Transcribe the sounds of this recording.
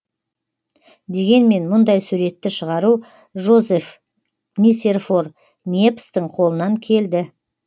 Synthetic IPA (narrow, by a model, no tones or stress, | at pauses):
d̪e̞ɡʲe̞nme̞nmʊnd̪ɑjsuɾe̞t̪ːɪʃəʁɑɾu | ʒo̞zef | nise̞rfo̞r | nʲiepst̪əɴqʰo̞lˠənɑŋkʲʰe̞ld̪ɪ